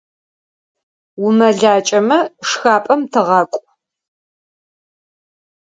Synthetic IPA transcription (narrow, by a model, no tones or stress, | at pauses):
wumɐɮaːt͡ʃʼɐmɐʂxaːpʼɐmtʰɨʁɐkʷʼ